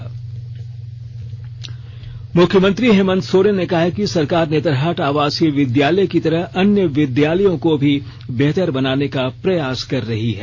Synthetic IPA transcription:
mʊkʰjəmə̃nt̪ɾiɦeːmə̃nd̪soːɾenekɐɦakisɐɾkaːɾneːt̪əɾɦaːʈaːʋaːskiʋɪd̪jaːləjkit̪ɐɾəɦɐnjəʋɪd̪jaːləjõkobʱi | beɦt̪əɾbɐnaːnekapɾɐjaːskɐɾːɐɦiɦɛː

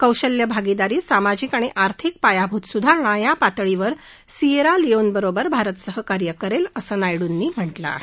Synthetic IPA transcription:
kəwɕəljəbʱaɡid̪aɾiːsamad͡ʑiːkaɽ̃iʔaɾt̪ʰik̚pajabʱuːt̪sud̪ʱaɾɳ̃ãjapat̪ɭiʋəɾ | sieɾalionbəɾobəɾbʱaɾət̪səɦəkaɾjəkəɾeləsəːnajɽunːiːm̤əʈla̰ɦe

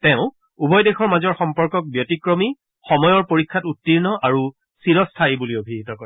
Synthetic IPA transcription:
tɛʊ̃ | ubʱɔjdexʰɔɹmazɔɹxɔmpɔɹkɔk̚bjotikɹɔmi | xɔmɔjɔɹpoɹikʰːatutːiɹnɔʔaɹu | siɹɔstʰajibuliobʱitɔkɔɹɛ

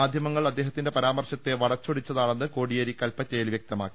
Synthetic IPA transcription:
aːd̪ʱjɐmɐŋːɐɭɐd̪ːe̞ːɦɐt̪ːinde̞pɐɾaːmɐrɕɐt̪ːe̞ʋɐɽɐt͡ɕːoɽit͡ɕːɐðaːɳenːɨko̞ːɽijɐɾikːɐlpɐt͡ɕːejilʋjek̚t̪ɐmaːkːi̥

